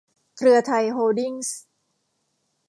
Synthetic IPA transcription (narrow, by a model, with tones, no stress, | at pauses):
kʰɾɯ˧ɐt̪ʰa˧jɦoː˧di˥˩ŋs